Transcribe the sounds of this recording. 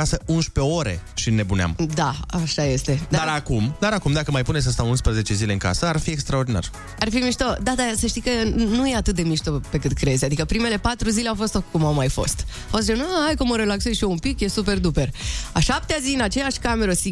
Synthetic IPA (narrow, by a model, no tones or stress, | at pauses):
asəunʃpe̞o̞ɾe̞̰ʃinːe̞bunea̰md̪aaʃaje̞st̪e̞d̪aaɾakumd̪aɾakumd̪akəmajpunesʲəst̪aunspɾəze̞t͡ʃe̞zile̞ɨŋka̰səarfiekst̪ɾao̞rd̪ina̰r | arfimiʃt̪od̪ad̪asəʃt̪ijkənuje̞at̪ɨt̪̚d̪e̞miʃt̪ope̞kɨt̪kɾe̞zʲad̪ikəpɾime̞le̞pat̪ɾuzile̞awfo̞st̪okumawmajfo̞̰st̪afos̬t͡ʃenoajkumoɾe̞lakse̞zʃioumpikje̞sup̬e̞rd̪upe̞raʃap̚t̪eazinat͡ʃe̞jaʃʲkame̞ɾəsi